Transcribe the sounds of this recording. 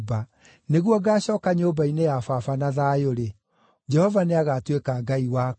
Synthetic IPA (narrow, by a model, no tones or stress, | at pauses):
ba | neɣwɔɡaːɕɔːkaɲoːbainejafafanaðaːjoɾe | d͡ʒɛhɔvaneaɣaːtwekaɡaiwaː